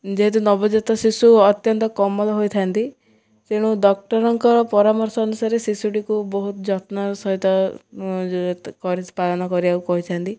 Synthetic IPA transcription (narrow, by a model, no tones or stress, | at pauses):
d͡ʒeɦet̪̬unɔbɔd͡ʒɔt̪ɔsisuɔt̪jɔnt̪ɔkɔmɔlɔɦojt̪ʰaant̪i | t̪eɽ̃uɖɔk̚ʈɔɾɔŋkɔɾɔpɔɾamɔɾsɔːnusaɾesisuʈikubɔɦut̪ɔd͡ʒɔt̪nɔsɔɦit̪ɔ | kɔɾispalɔnɔkɔɾiaukɔɦit̪ʰaant̪i